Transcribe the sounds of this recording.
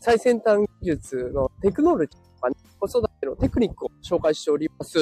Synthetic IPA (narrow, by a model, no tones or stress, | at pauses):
saisẽ̞nt̪ãŋɡʲiʑɨt͡sɨno̞t̪e̞kɯ̟no̞ɾot͡ɕi̥t̪okaneko̞so̞d̪at̪eno̞t̪e̞kɯ̟ɲ̟ikːɯ̟oɕo̞ːkaiɕi̥t̪e̞oɾʲimasɨ